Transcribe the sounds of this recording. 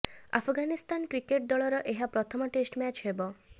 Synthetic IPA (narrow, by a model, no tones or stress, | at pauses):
a̰pʰɡanist̪ankɾikeʈ̚d̪ɔɭɔɾɔʔeɦapɾɔt̪ʰɔmɔʈesʈmɛt͡ʃɦebɔ